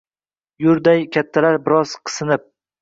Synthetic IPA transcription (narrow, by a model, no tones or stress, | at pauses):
jʊɾd̪ajkʲʰat̪ʰːalaɾbɪɾɒz̥qʰɨ̥sɨnɪp̚